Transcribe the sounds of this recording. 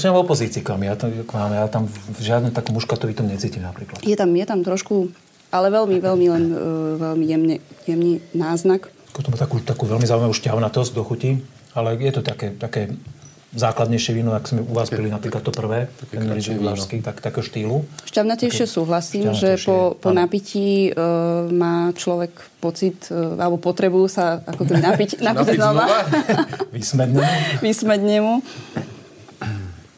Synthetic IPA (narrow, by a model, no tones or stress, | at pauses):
ɔsimavɔpɔziːt͡siːkʋaːmijat̪kʋaːmɛjaːt̪amʒɪad̪nɛt̪akɔmuʃkat̪ɔʋit̪ɔmɲɛt͡siːcimnapɾiːklat̪jɛt̪amjɛt̪amt̪ɾɔʃku | ʔalɛʋɛlmiʋɛlmilɛnʋɛlmijɛmɲɛjɛmninaːznak | kɔt̪ɔmat̪akuːt̪akuːʋɛlmizaːuimaʋuːʃcaʊnat̪ɔzɟ̚d̪ɔxuci | alɛjɛt̪ɔt̪akɛːt̪akɛː | zaːklad̪ɲɛjʃɪɛʋinɔakzmɛuʋaːzbilinapɾiːklat̪t̪ːɔpr̩ʋɛːt̪ɛnnɾɛd͡ʒiaskit̪akt̪akɛːɦɔʃt̪iːluʃcaʊnat̪iʃɛsuːɦlasiːmʒɛɔpɔnapici | maːt͡ʃlɔʋɛk | pɔt͡sit̪alɛbɔpɔt̪ɾɛbujusaakɔkɛbinapicnapiɟznɔa | ʋismɛd̪ɲɛʋismɛd̪ɲɛmu